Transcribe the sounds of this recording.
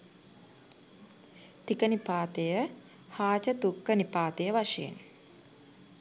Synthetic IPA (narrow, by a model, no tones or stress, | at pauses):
t̪ikənipaːt̪əjə | haːt͡ʃət̪ukːənipaːt̪əjəʋaʂeḛn